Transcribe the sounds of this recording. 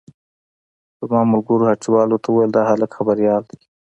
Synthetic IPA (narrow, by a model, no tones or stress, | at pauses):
əmɑmʊlɡʊɾohat͡ʃiwɑlot̪ʰauwajəld̪ɑhaləkxabaɾijɑld̪e̥